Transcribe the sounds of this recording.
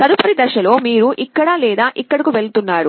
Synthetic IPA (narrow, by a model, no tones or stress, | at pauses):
sɐɾupɐɾid̪ɐʃɐlo̞ːmiːɾuʔikːɐɽalɛːd̪aːʔikːɐɽɐkuʋe̞ɭut̪unːaːɾu